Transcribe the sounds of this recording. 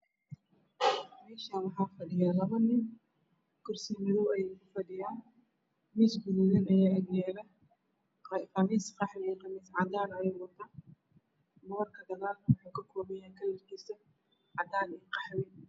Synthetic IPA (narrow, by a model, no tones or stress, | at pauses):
mɛːʃaːwɑħɑːfɐɖɪjaːlɐβɐnɪn | kʰʊrsimɪɾuwɛjkʰʊfɐdɪjaːn | miːsɡʊðuðɛːnɐjaːɐɡjɛːɾɐ | qɑmiːsqɑħmɪɛqɑmiːsʕɑd̪aːnɐjɛwɐt̪ʰaː | mɐɣɐrkʰɐd̪ɐɣaːlwʊħuːkʰɐkʰɔːmɛjaːŋkʰɐlːɐrkʰisɐ | ʕɑd̪aːnɛqɑħmɪ